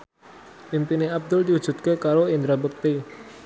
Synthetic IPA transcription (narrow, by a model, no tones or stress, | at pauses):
pimpineab̚d̪ʊld̪iud̥ʒ̥ṳd̪̚kekaɾoind̪ɾabək̚t̪e